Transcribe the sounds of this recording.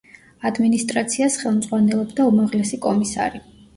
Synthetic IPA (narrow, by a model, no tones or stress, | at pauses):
ad̪minist̪ʼɾat̪sʰiasχɛlˠmd̪zʁwanɛlˠɔbd̪aumaʁlɛsikʼɔmisa̰ɾi